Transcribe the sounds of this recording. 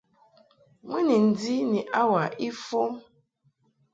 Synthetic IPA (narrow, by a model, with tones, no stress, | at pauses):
ŋʷi˦ni˨n̩˨di˦ni˨ʔa˦wa˨ʔi˦fo˦